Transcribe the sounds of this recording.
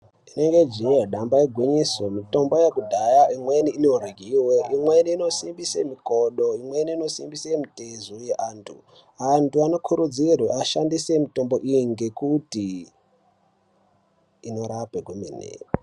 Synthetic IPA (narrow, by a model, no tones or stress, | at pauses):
ineŋɡed͡ʒiaɗambaeɡʱwiɲisomito̞mbo̞jekudʱajaʔimweniinouriɡʱiweʔimweniːno̞simbisemikoɗoimweniino̞sḭmbisemitezujeʔaːntʰṵ | antʰuano̞kʰuɾud͡zirweaʃandisemito̞mbo̞ʔijiŋɡe̞kuti | no̞ɾapekwemḭnḛːwe